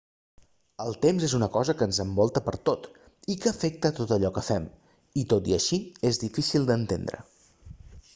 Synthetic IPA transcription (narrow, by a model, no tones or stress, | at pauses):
əlˠt̪emzezunəkɔzəkənzəmbɔlˠt̪əpəɾt̪ot̪ | ikəːfɛk̚t̪ət̪ot̪əʎɔkəfɛm | it̪ot̪iəʃiezðifisilˠd̪ənt̪ḛnd̪ɾə̰